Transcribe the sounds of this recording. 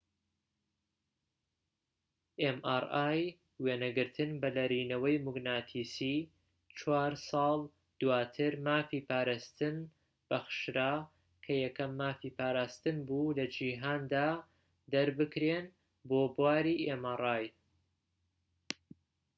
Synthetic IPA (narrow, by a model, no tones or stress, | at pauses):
ʔemʔaraːj | weːnɐɡɨɾt̪ʰɨnbɐlɐɾiːnɐwɐjmʊɡnaːt̪ʰiːsiː | t͡ʃʰwaːɾsɑːlˠ | d̪̥uwaːt̪ʰɨɾmaːfiːpʰaːɾaːst̪ɨn | b̥ɐxɨ̥ʃɾaː | kʰɐjɐkɐmːaːfiːpʰaːɾaːst̪ɨnbuːlɐd͡ʒiːɦaːnd̪aː | d̪ɐɾbɨkɾeːn | boːbwaːɾiːʔemarˤaːj